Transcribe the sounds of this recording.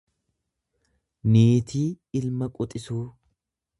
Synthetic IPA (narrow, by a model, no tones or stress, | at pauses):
neːt̪ʰiː | ɪlmɐkʼʊt̪ʼɪsuː